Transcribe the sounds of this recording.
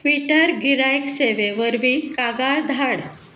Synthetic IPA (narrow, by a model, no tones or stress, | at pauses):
ʋiʈəɾɡiɾajkseʋeʋəɾʋiːkaɡaɭd̪ʱaɽ